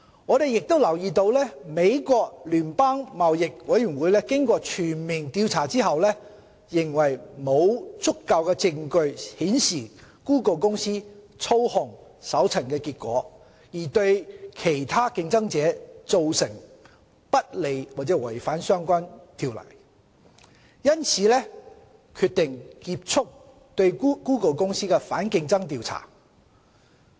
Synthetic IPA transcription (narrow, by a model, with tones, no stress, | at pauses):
ŋɔː˨˧ɾe˨jɪ˨k̚t̪o˥wlɐ˨˩wjiː˧t̪o˧wlɛː˥me˨˧jkɔː˧k̚lyː˨˩npaː˥ŋmɐ˨wjɪ˨k̚wɐ˨˥jɥyː˨˩nwuː˨˧jlɛː˥kɪ˥ŋkʷɔː˧t͡ʃʰyː˨˩nmiː˨˩ŋt̪iː˧wt͡sʰaː˨˩t͡siː˥ɦɐ˨wlɛː˥ | jɪ˨˩ŋwɐ˨˩jmo˨˧wt͡sʊ˥kːɐ˧wkɛː˧t͡sɪ˧ŋkɵ˧ɥhiː˨˥nsiː˨˩kuː˥ko˨˧wkʊ˥ŋsiː˥ | t͡sʰo˥whʊ˨ŋ | sɐ˨˥wt͡sʰɐ˨˩nkɛː˧kiː˧t̚kɔ̰ː˨˥ | jiː˨˩t̪ɵ˧ɥkʰe˨˩jt̪ʰaː˥kɪ˧ŋt͡sɐ˥ŋt͡sɛː˨˥t͡so˨˧wsɪ˨˩ŋ | pɐ˥t̚le˨˧jwaː˨˩t͡sɛː˨˦˥wɐ˨˩jfaː˨˥nsœː˥ŋkʷaː˥nt̪ʰiː˧wlɐ̰˨˩j | jɐ˥nt͡sʰiː˨lɛː˥ | kʰyː˧t̪̚ɪ˨ŋkiː˧p̚t͡sʰʊ˥k̚ | t̪ɵ˧ɥkuː˥ko˨˩wkʊ˥ŋsiː˥kɛ˧faː˨˥nkɪ˧ŋt͡sɐ˥ŋt̪iː˨˧wt͡sʰa̰ː˨˩